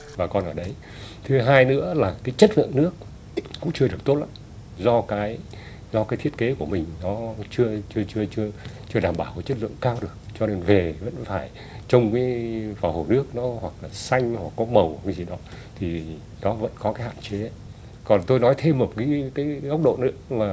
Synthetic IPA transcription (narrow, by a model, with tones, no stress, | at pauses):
vaː˨˩kɔ˨˩nʔəː˧˩ɗə˨˦j | t̪ʰɨ˨˦ɦaː˧jnɨ̰˧˥əlaː˨˩kaː˨˦jt͡ɕə˦˥t̚lɨ̰˧˨əŋnɨ˦˥ək̚ː | ʊ̰˧˥ŋ͡mt͡ɕɨ˧ɗɨ˨˩ək̚t̪o˦˥t̚ʔa̰˧˥˦ | zɔ˧kaː˨˦j | zɔ˧kaː˨˦t̪ʰi˦˥ət̚ke˨˦ku˧˩əmï˨˩ŋ̟nɔ˨˦t͡ɕɨ˧ət͡ɕɨ˧ət͡ɕɨ˧ət͡ɕɨ˧ət͡ɕɨ˧əɗaː˨˩mɓaː˧˩wkɔ˨˦jt͡ɕə˦˥t̚lɨ̰˧˨əŋkaː˧wɗɨ˨˩ək̚t͡ɕɔ˧ne˧nve˨˩və̰˧˥nfaː˧˩j | t͡ɕə˧wŋ͡mkaː˨˦vaː˨˩ho˨˩nɨ˦˥ək̚nɔ˨˦hwa˨˩k̚laː˨˩sa˧jŋ̟hwa˨˩kːɔ˨˦mə˨˩wkaː˨˦jzi˨˩ɗɔ˨˦ | t̪ʰi˨˩ | nɔ˨˦və̰˧˥nkɔ˨˦kaː˨˦jha̰˧˨nt͡ɕe˨˦˨ | kɔ˨˩nt̪o˧jnɔ˨˦jt̪ʰe˧mo˨˩kaː˨˦kaː˨˦jɣə˦˥wk͡p̚ɗo̰˧˨nɨ̰˧˥əlaː˨˩